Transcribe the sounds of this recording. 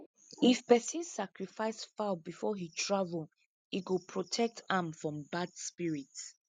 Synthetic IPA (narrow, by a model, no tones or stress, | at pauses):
ifpɛsĩnsakɹifaɪsfabifɔhitʰɹavəl | iɡupʰɹotʰɛk̚tʰãmfɹɔ̃mbadspiɹits